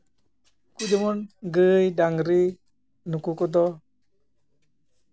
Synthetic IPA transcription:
kud͡ʒəmɔnɡəjdaŋɾi | nukukɔd̪ɔ

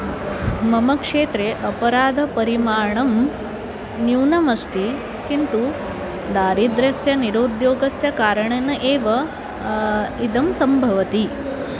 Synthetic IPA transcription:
mɐmɐkʂeːt̪ɾeʔɐpɐɾaːd̪ʱɐpɐɾimaːɳɐm | njuːnɐmɐst̪i | kint̪u | d̪aːɾid̪ɾɐsjɐniɾoːd̪joːɡɐsjɐkaːɾɐɳɐnɐʔeːʋɐ | id̪ɐmsɐmbʱɐʋɐt̪i

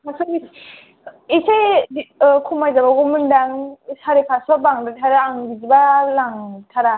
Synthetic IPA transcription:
masʰɯi | iseikʰumajzabaɡumɯndaŋsaɾepʰasbabaŋdɯtʰaɾaːŋɡizibalaŋtʰaɾa

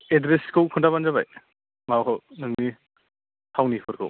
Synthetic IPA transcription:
edɾeskʰɯwkʰɯndabanzaba̰j | makʰɔwnɯŋni | tʰawnipʰɯɾkʰɯ̰w

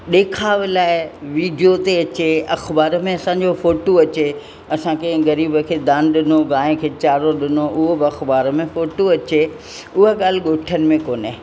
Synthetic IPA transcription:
ɗeːkʰaːʋɪlaːɪʋiːɖijot̪eɐt͡ɕeɐxbaːɾə̆mẽɐsãɲ̆d͡ʑofoːʈoɐt͡ɕe | ɐsãkʰẽɣɐɾiːbə̆kʰeːd̪ãːnɗɪnoɡãːẽkʰeːt͡ɕaːɾoɗɪnoʔʊɦobɪɐxbaːɾə̆mẽfoːʈoɐt͡ɕe | ʊɦəɠaːl̤ɪɡoːʈʰənɪ̆mẽkoːne

